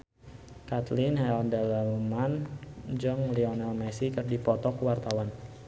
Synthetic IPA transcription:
kat̪lɪnɦɛɔndɛllmand͡ʒɔŋliɔnɛlmɛsikɨrdipɔt̪ɔkwart̪awan

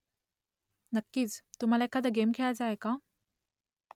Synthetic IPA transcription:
nəkːiːt͡st̪um̤alaekʰːad̪əɡemkʰelad͡zaeka

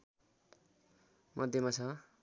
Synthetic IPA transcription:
mʔʌd̪ʱjemat͡sʰʌ

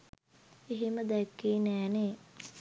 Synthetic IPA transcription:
iɦiməd̪ɛkːiːnæːneː

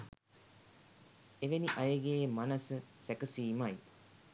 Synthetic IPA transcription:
eʋeniʔajəɡeːmanəsəsækəsiːmaj

